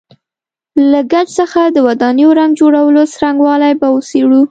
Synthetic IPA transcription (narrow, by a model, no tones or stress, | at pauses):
laɡad͡ʒsəxad̪əwad̪ɑnijoɾaŋɡd͡ʒoɽawəlosɾaŋɡwɑlajbaoseɽu